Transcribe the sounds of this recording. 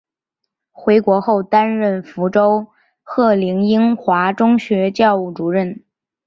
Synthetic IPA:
xwe˧˥ɪkwɔ˧˥xo˥˩ʊt̪a˥nɻə˥˩nfu˧˥ʈ͡ʂo˥ʊ | xɤ˥˩li˧˥ŋi˥ŋxwa˧˥ʈ͡ʂʊ˥ŋɕɥɛ˧˥t͡ɕjɑ˥˧ʊu˥˩ʈ͡ʂu˧˥ɻə˥˩n

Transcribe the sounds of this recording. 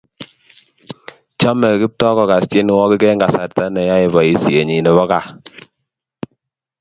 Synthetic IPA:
t͡ʃa˦mɛ˨ki˦p̚tɔ˦kɔ˨ka˨st͡ʃe˦n˨˦wɔ˦ki˦kɛ˦ŋɡa˨sa˨ɾta˦nɛ˨ja˦i˨βɔ˨i˨si˨e˨ɲi˨nɛ˨βɔ˦ka˨

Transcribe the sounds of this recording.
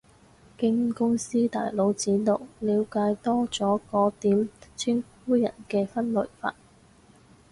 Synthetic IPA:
kɪ˥ŋkʊ˥ŋsiː˥t̪a̰ː˨jlo˨˥wt͡siː˨˥no˨wliː˨˧˥wkaː˨˧jt̪ɔː˥t͡sɔː˨˥kɔː˨˥t̪iː˨˥mt͡sʰɪ˥ŋfuː˥jɐ̰˨˩nkɛː˧fɐ˥nlɵ˨˩jfa̰ː˧t̚

